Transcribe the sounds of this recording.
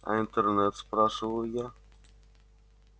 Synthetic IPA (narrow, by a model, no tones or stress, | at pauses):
a̰int̪ɛrnɛt̪spɾaʂɨlˠɨja